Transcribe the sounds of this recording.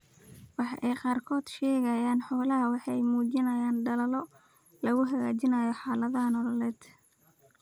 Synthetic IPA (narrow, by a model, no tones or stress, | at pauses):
wɑħɑ̰ʔɛjqɑːrkʰɔːd̪̥ʃɛːɣɐjaːnħɔːlɐɦɐwɑħɑjmuːd͡ʒɪnɐjaːnɖɐlɐlɔ | lɐɣʊɦɐɣaːt͡ʃɪnɐjɔħɑːlɐðɐnɔlɔlɛːd̪̥